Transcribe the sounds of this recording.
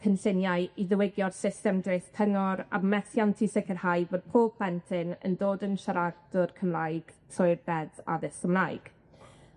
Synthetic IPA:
kʰənsɪnjaɨiðəwɪɡjɔrsɪstɛmdrejθpʰəŋɔɾa̰mɛθjantʰisɪkʰərhajvoːd̥̚pʰoːlpʰl̥ɛntʰɪnə̰ndoːdənʃaɾaɡ̚d̥ʊrkʰəmlajɡ̥tʰɔɨrbɛða̰ðɪskəmlˠajɡ̥

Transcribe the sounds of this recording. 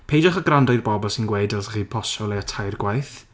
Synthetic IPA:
pʰejd͡ʒɔχəɡrandɔjrbɔbɔlˠsɪnɡweːdɛlˠsaχiːpʰɔsɔleatʰajrɡwajθ

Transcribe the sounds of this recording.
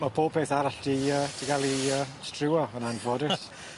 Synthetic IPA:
mabʰoːb̚pʰeːθaɾaɬd̥iəːd̥iɡalˠiəstrɪwaənanvɔːdəs

